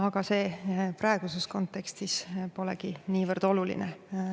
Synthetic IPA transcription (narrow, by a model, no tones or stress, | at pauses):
ɑɡ̥ɑse̞ːprɑˑe̞ɡ̥usesko̞nt̪ːe̞kst̪ispo̞lɛ̰ɡ̥iniːvɤrd̪̥o̞lulḭne